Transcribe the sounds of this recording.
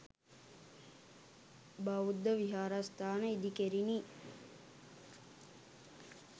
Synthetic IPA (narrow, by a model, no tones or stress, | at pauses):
baud̪ːəʋiɦaːɾast̪ʰaːnəid̪ikeɾini